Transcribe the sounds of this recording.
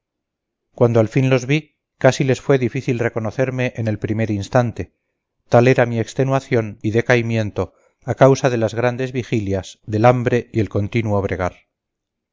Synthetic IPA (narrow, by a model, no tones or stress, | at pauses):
kwand̪oalfinlo̞zβi | kasile̞sfwe̞ðifiθilre̞ko̞no̞θe̞ɾme̞ʔene̞lpɾime̞ɾinst̪ant̪e̞ | t̪ale̞ɾamiekst̪e̞nwaθjoniðe̞kaimje̞nt̪o̞ | akawsaðe̞lazɣɾand̪e̞zβixiljaz̥ðe̞lambɾe̞ie̞lko̞nt̪inwoβ̞ɾe̞ɣ̞aɾ